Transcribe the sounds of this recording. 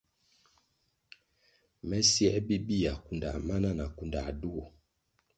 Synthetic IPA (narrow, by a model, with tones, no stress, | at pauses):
mɛ˦si˦ɛ˦bi˦bi˦ja˨ku˨nda̰˨ma˦na˦na˨ku˨nda˨du˦ɔ˨